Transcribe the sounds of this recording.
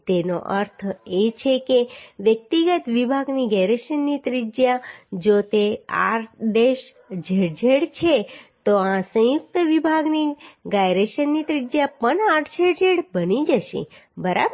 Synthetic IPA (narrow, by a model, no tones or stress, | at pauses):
t̪eno̰ʔəɾt̪ʰet͡ʃʰekeʋjək̚t̪iɡət̪ʋibʱaɡniɡajɾeʃənːit̪ɾɪd͡ʒjad͡ʒot̪ea̰ɾd̪eʃ | d͡ʒʱeɽd͡ʒʱeɽt͡ʃʰet̪oãsə̃jʊk̚t̪əʋibʱaɡniɡajɾeʃənːit̪ɾid͡ʒjapəɳaʈʰd͡ʒʱeɽd͡ʒʱeɽbənid͡ʒəʃḛbəɾab